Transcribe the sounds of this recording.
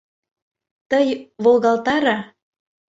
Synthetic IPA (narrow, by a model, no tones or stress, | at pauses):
t̪əjβolɣɑlt̪ɑɾɑ